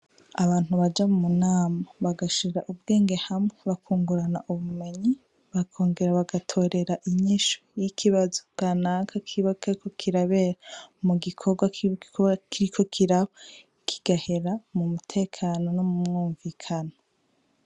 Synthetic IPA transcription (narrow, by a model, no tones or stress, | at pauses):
aβaːn̥huβad͡ʒamumunaːmaβaɡaʃiɾaʔubɡe̞ːŋɡe̞hamŋeβakʰuːŋɡuɾanaʔuβume̞ɲi | βakʰo̞ːŋɡe̞ɾaβaɡatʰo̞ːɾe̞ɾaʔiɲiʃojikʰiβazoɡ̥anakʰakʰiβakaikʰokʰiɾaβeːɾamuɡikʰoɡwakkʰiɾikʰo̞kʰiɾaβa | kʰiɡ̥ahe̞ɾamumutʰe̞ːkʰaːno̞nomumŋuːɱvikʰano